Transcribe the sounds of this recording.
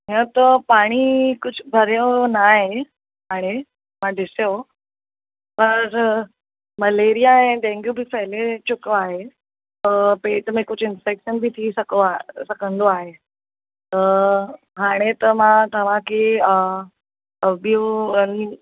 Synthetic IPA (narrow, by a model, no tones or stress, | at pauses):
ɦə̃t̪əpaɽ̃ikʊd͡ʑʰʱbʱəɾjonaɦe | ɦaːɽ̃e | mad̪ɪsjo | pɐɾ | məleɾijaẽɖẽŋɡjubʱipəɦlet͡ɕʊkoaɦe | əpet̪əmẽkʊt͡ʃʰɪnfekʃənbʱit̪ʰiːsəkoasəkənd̪oaɦe | t̪ə | ɦaɽ̃et̪əmat̪əʋãkiə | əbjui